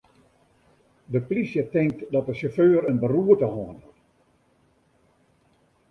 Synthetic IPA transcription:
dəplisjətɪŋk̚tdɔtdəsoføːɾənbəruətəhɔnt

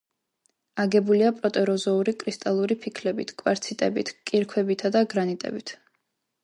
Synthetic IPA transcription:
aɡɛbuliapʼɾɔt̪ʼɛɾɔzɔuɾikʼɾist̪ʼalˠuɾipʰikʰlɛbit̪ʰkʼwaɾt̪sʰit̪ʼɛ̰bḭt̪ʰkʼiɾkʰwɛbit̪ʰad̪aɡɾanit̪ʼɛ̰bit̪ʰ

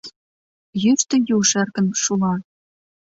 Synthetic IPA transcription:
jyʃt̪ə̆juʃĕrkə̆nʃulɑ

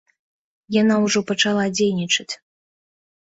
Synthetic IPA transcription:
janawʐɔpɐt͡ʂalˠad͡zʲejnʲit͡ʂɐt͡sʲ

